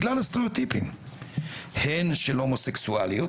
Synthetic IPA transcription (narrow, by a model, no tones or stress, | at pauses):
ɡlalast̪eɾiot̪ipḭm | henʃelhomoseksualio